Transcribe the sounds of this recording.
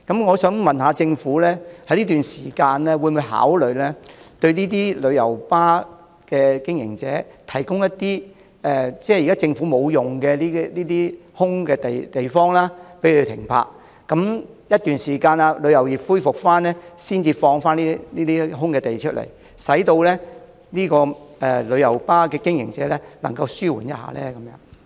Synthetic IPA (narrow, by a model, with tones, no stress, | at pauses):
kɐ˨˥mŋɔː˨˧sœː˨˥ŋmɐ˨nɦaː˨˧t͡sɪ˧ŋfuː˨˥lɛː˥hɐ˧˥jliː˥t̪yː˨nsiː˨˩kaː˧nlɛː˥wuː˨˧mu˨˧jɦa̰ː˨˥wlɵ˨˧ɥlɛː˥t̪ɵ˧ɥniː˥t̪̬iː˥lɵ˨˧ɥjɐ˨˩wpaː˥ | kɛː˧kɪ˥ŋjɪ̰˨˩ŋt͡sɛ̰ː˨˥t̪ʰɐ˨˩jkʊ˥ŋjɐ˥tt̪iː˥ | ɛː˨˩t͡sɛː˥˩jkaː˥t͡sɪ˧ŋfuː˨˥mo˨˧wjʊ˨˩ŋkɛː˧liː˥liː˥t̪iː˥ | hʊ˥ŋkɛː˧t̪e˨jt̪e˨jfɔː˥ŋlaː˥pe˨˥jle˧t̪ʰɪ̰˨˩ŋpʰa̰ː˧˥k̚ | kɐ˨˦˥m | jɐ˥t̪yː˨nsiː˨˩kaː˧naː˧lɵ˨˧ɥjɐ˨˩wjiː˨˩p̚fuː˥jfʊ˨k̚faː˥nɛː˥siː˥nt͡siː˧fɔː˧ŋfaː˥niː˥niː˥t̪iː˥ɦʊ˥ŋkɛː˧t̪e˨jt͡ʃʰɵ˥t̚lḛ˨˩j | sɐ˨˥jt̪o˧wlɛː˥ | niː˥kɔː˧ɛ˨lɵ˨˧jɐ˨˩wpaː˥kɛː˧kɪ˥ŋjɪ̰˨˩ŋt͡sɛː˨˥lɛ˥lɐ˨˩ŋkɐ˧wsyː˥wṵː˨˩njɐ˦t̚ha̰ː˧lɛ̰ː˦˥kɐ˨˦mjœː˨˧˥ŋ